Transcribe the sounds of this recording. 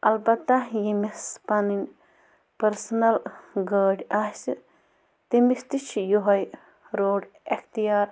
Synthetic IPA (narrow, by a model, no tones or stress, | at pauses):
ɐlbɐt̪ːajimispɐnin | pɐɾsnɐlɡəːɖʲas | t̪imist̪it͡ʃʰjoɦɐj | ɾoːɖ | ext̪ijaːɾ